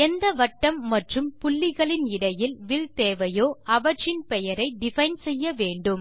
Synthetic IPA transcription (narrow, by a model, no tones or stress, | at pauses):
ɛnd̪ɐʋɐʈːɐmːɐʈrɯmpʊlːɪɣɐɭɪnɪɽɐjɪlʋɪlt̪eːʋɐjoːɐʋɐʈrɪnpɛjɐɾɐɪɖɪfɐɪnsɛjːɐʋeːɳɖɯm